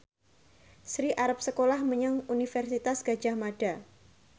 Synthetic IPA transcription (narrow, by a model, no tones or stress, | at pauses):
sɾiʔaɾap̚səkolahməɲaŋunifɛrsit̪asɡ̥ḁd͡ʒahmaɖ̥a